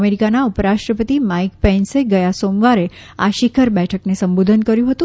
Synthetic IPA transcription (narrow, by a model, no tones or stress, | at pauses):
meɾikanaupəɾaʃʈɾəpət̪imaikpɛnseɡəjasomʋaɾe | a̰ʃɪkʰəɾbɛʈʰəknesəmbod̪ʱənkəɾjũɦət̪ũ